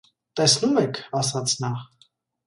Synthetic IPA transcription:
t̪ɛsnumɛkʰɑsɑt͡sʰnɑχ

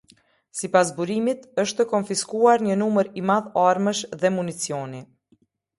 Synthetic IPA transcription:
sipas̬buɾimit̪əʃt̪əkɔnfiskuaɾɲənuməɾimaðaɾməʃðɛmunit͡siɔni

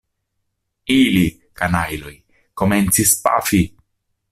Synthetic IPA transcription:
ili | kanajlo̞j | ko̞me̞nt͡sispa̰fi

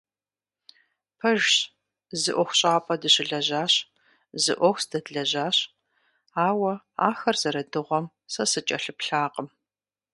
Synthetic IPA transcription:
pʰɐʒɕ | zɨʔʷɔxʷɕʼaːpʰʼɐdɨɕɪɮɐʑaːɕ | zɨ̰ʔʷɔxʷsd̥ɐdɮɐʑaːɕ | aːwɐ | a̰ːxɐrz̥ɐɾɐdɨʁʷɔm | sɐsɨt͡ʃʼɐɬɨpɬaːqəm

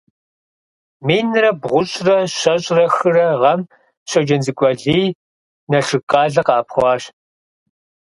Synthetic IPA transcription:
miːnɨrɐbʁʷʊɕʼrɐɕɐɕʼrɐxɨrɐʁɐm | ɕʷɐd͡ʒɐnzɨkʷʼɔɮiː | nɐɬɨkʼɑːɮɐqɑːpχʷɑːɕ

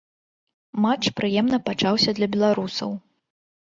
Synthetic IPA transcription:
mat͡ʂpɾɨjɛmnɐpat͡ʂawsʲɐd̪lʲɐbʲɛlˠaɾusɐ̰w

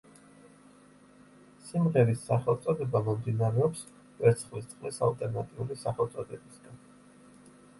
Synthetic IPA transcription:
simʁɛɾisːaχɛlˠt̪sʼɔd̪ɛbamɔmd̪inaɾɛɔps | vɛɾt̪sʰχlist̪sʼqʼlisa̰lˠt̪ʼɛɾnat̪ʼiulisaχɛlˠt̪sʼɔd̪ɛbisɡ̥an

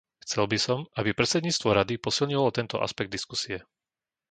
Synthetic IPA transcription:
xt͡sɛlbisɔmabipɾɛt̪t͡sɛd̪ɲiːt͡st̪ʋɔɾad̪ipɔsilɲiʋalɔt̪ɛnt̪ɔ̰ʔa̰spɛɡ̚d̪iskusiɛ

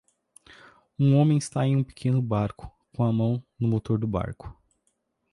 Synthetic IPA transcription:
ũõmẽj̃ist̪aẽũpe̥kʰẽnʊbaɾkʊ̥kõɐmɐ̃w̃nʊmot̪oɾd̪ʊba̰ɾkʊ̥

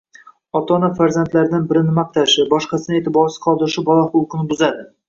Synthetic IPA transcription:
ɒt̪ʰɒnafaɾzant̪laɾɪd̪anbɪɾɪnɪmaq̚t̪ʰaʃɪbɒʃqɑsɪnɪe̞t̪ʰɪbɒɾsɪ̥qʰɒlˠd̪ɪɾɪʃɪbɒlˠaχʊlˠqʰɨnɪbʊzad̪ɪ

